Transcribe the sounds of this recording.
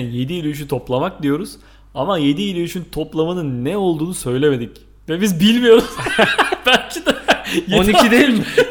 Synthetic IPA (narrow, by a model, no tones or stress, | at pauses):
je̞d̪iːlʲyyʃ̬yt̪ʰo̞plˠamak̚d̪ijo̞ɾuz̥ | amaje̞d̪iːlʲyyʃynt̪ʰo̞plˠamanɯnːɛo̞lˠd̪uːnusø̞jlʲeme̞d̪ic | vɛbizbilʲmijo̞ɾuz̥b̥ælʲcʰid̪ɛjeniid̪ejilʲmɪ